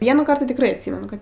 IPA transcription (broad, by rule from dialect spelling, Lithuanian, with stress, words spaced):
ˈʋʲiɛnuːˌkɐrt tʲɪ tʲɪkˈrɐɪ ɐtʲˈsʲiːmʲɛnʊ ˈkɐt